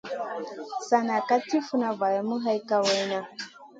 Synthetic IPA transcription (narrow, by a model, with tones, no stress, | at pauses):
sa˨na˨ka˦ti˦fu˦na˨va˨ja˨mu˦ɦa˦i˦ka˦wa˦jna˦